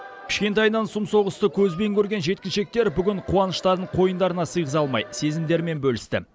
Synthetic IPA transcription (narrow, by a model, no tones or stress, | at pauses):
pʲʰɪ̥ʃkʲe̞nt̪̬ɑjnɑnsʊmso̞ʁəst̪əkʲʰɵzbe̞ŋkʲʰɵɾɡʲe̞nʒe̞t̪̚kʲɪnʃe̞k̚t̪e̞ɾbʏɡʲɪɴqʰuɑnəʃt̪ɑɾd̪əɴqʰo̞jənd̪ɑɾənɑsəjʁəzɑlˠmɑ̰jse̞zɪmd̪e̞ɾme̞nbɵlɪst̪ɪ̰